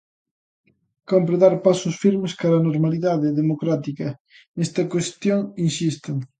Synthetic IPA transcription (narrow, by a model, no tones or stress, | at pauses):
kɔmpɾoðaɾpasʊsfiɾmeskaɾɐːnoɾmaliðaðɪðemokɾat̪ikɐ | ɛst̪ɐkwest̪joŋinsist̪eŋ